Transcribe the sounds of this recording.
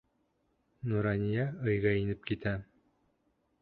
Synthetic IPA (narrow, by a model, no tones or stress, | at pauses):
nuɾɑnʲijɑɤ̆jʁɑinɘp̚kit̪æ